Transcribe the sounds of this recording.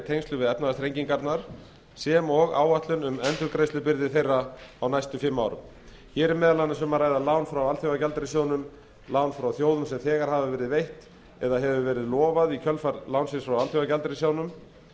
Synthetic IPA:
t̪ʰejnst̪ʏvɪðɛpnaast̪ɾejɲciŋkaɾt̪naɾ̥ | sɛmɔɣa̰ːwaht̪lʏnʏmɛnt̪ʏɾkɾejslʏpɪɾðɪθejrːaawnajst̪ʏfɪmːaːwɾʏ̰m | çɛːɾɪmɛːðalanːʏsɛmarajðalaːwnfɾawalθjowɣacalt̪ɾɪsjoːwnʏm | laːwnfɾawθjoːwðʏmsɛmθɛːɣaɾ̥haːvavɛːɾɪðvejht̪ | ɛðaɦɛvʏvɛːɾɪðlɔːvaðicʰœlfaɾlawnsɪnsfɾawalθjowɣacalt̪ɾɪsjoːwnʏm

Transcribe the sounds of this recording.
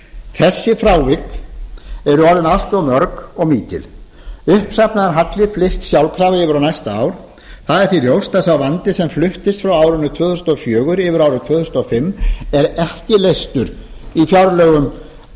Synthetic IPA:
θɛsːɪfɾaːwvɪk | ɛɾʏɔɾðɪnal̥t̪ɔmœɾkɔɣmiːt̪ɪ̰l | ʏhpsapnaðɛɾɦat̪lɪflɪst̪sjawlkʰɾaːvɪɪːvɪɾawnajst̪aa̰ːwɾ̥ | θaðɛɾ̥θiljowst̪asawvant̪ɪsɛmflʏht̪ɪst̪fɾawaːwɾʏnʏt̪ʰvœːθʏsnɔfjœːɣʏɾɪːvʏɾawɾʏmt̪ʰvœːθʏsnɔfɪmːɛɾɛhcɪlejst̪ʏɾ | ifjawɾlœːɣʏm

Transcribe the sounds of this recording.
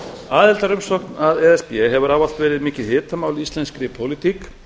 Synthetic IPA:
aːðɪlt̪aɾʏmsɔknaðɛðɛspjɛɦɛvʏɾaːval̥t̪vɛːɾɪðmɪːcɪðhɪːt̪amaːwlist̪lɛnskɾɪpʰowlit̪ʰik

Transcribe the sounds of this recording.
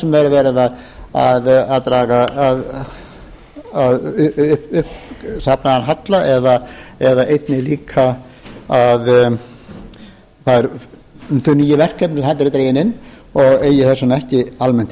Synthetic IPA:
sɛmvɛɾɪvɛːɾɪðað | a̰ðaðt̪ɾaːɣaað | aðʏhpʏhpsapnaanɦat̪laʔɛðaɛðaʔejt̪nɪliːkʰa | að | θaðɛɾ | θʏniːjɪvɛr̥kʰːɛpnɪsθɛt̪ːɾɪt̪ɾeːjɪnɪn | ɔɣeːjɪθɛsːʏnɛhcɪalmɛn̥t̪ɪ

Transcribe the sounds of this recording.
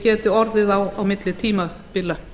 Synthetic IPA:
cɛːt̪ɪɔɾðɪðawawmɪt̪lɪt̪ʰiːmapɪlːa

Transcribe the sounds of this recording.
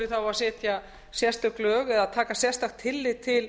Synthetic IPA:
ɪθawaðsɛːt̪ja | sjɛst̪ʏklœːɣɛðaðt̪ʰaːkasjɛst̪axt̪ʰːɪlːɪt̪ʰɪl

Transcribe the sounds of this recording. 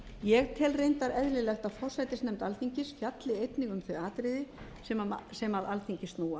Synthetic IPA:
jɛɣt̪ʰɪlrejnt̪aɾɛðlɪlɛxt̪afɔr̥sajt̪ɪsnɛmt̪alθiɲcɪsfjat̪lɪejt̪nɪɣʏmθœɥaːt̪ɾɪðɪ | sɛmsɛmaðalθiɲcɪst̪nuːa

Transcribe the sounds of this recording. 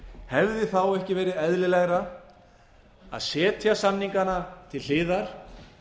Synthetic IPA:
hɛvðɪθawɛhcɪvɛːɾɪðɛðlɪlɛɣɾa | a̰ðsɛːt̪ʰjasamniŋkanat̪ʰɪllɪːðaɾ̥

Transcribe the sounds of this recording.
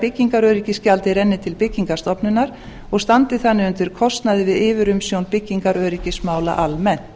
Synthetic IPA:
pɪcːiŋkaɾœːɥɾicɪscalt̪ɪɾɛnːɪt̪ʰɪlpɪcːiŋkast̪ɔpnʏnaɾ̥ | ɔɣst̪ant̪ɪθanːɪʏnt̪ɪɾ̥kʰɔst̪naðɪvɪðɪːvɪɾʏmsjownpɪcːiŋkaɾœːɾicɪsmaːwla̰ʔalmɛn

